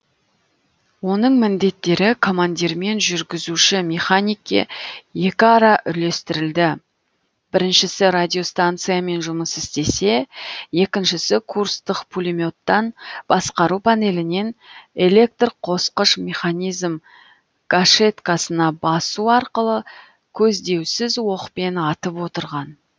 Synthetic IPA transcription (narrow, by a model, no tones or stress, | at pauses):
wo̞nəɴmɪnd̪e̞t̪ːe̞ɾɪkʰo̞mand̪ʲiɾme̞nʒʏɾɡʲɪzuʃɪmʲe̞χanʲijkʲːḛje̞kʲɪɑɾɑʔʏle̞st̪ɪɾɪld̪ɪ | b̥ɪɾɪnʃɪsɪɾad̪ʲio̞st̪ant̪sijame̞nʒʊməsɪst̪e̞se̞je̞kʲɪnʃɪsɪkʰurst̪əqpʰulʲimʲo̞t̪ːɑnb̥ɑsqɑɾupʰane̞lɪne̞ne̞lʲe̞k̚t̪rqʰo̞sqəʃmʲe̞χanʲijzm | ɡ̥aʃe̞t̪kasənɑbɑsuɑɾqəlˠə | kʲʰɵzd̪e̞wsɪzwo̞qpe̞nɑt̪əpwo̞t̪əɾʁɑn